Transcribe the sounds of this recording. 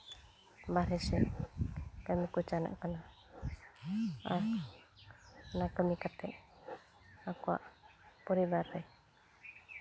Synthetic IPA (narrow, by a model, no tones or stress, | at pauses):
baɾɛsɛ | kəmikut͡ʃana̰ʔkana | aɾ | nakəmikat̪ɛʔ | akɔwa̰ʔpɔɾibaɾːɛ